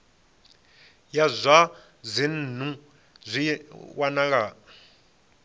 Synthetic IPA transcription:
jazʷa | zʷin̩n̤u | zʷiwanaŋa

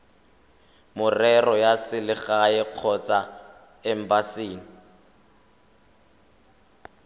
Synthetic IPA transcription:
mʊrɛrɔjasɪlɪχaɛq͡χʰɔt͡sa | ɛm̩basiːnɪ

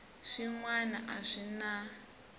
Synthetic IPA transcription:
ʂiŋwana̰ʔaʂina

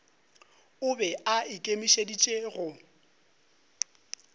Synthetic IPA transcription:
ʊbɛaɪkʼemiʃedit͡ʃʼeɣʊ

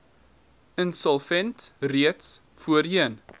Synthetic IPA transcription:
ənsəlˠfɛntriəts | fuəɾiən

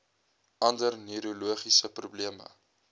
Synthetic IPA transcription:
ʔɐndərniɾoluəχisəprubliəmə̰

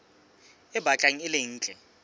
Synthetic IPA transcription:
ɪbʱat͡ɬʼaŋ̩ɪleŋ̩ːt͡ɬʼɛ

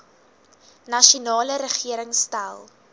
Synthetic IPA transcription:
nɐʃunɑːləɾəχiəɾəŋstalˠ

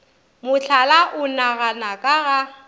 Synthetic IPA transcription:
mʊɬʰalaʔʊnaɣanakʼaɣa

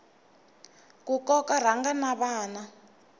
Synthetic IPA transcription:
kukɔkaɾ̤aŋɡanaβaːna

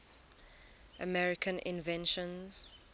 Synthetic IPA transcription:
ʔəmɛɹɪkʰə̃nʔɪ̰̃nvɛ̃nʃə̃nz̥

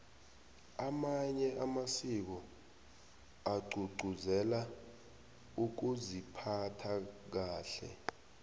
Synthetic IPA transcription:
amaɲɛʔamasik̬ɔ | aɡ͡ǀʱuɡ͡ǀʱuzɛla | uk̬uzipʰatʰak̬aːɬɛ̰

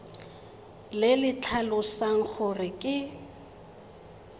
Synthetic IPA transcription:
lɪlɪt͡ɬʰalʊsaŋ̩k͡xʊrɪkʼɪ

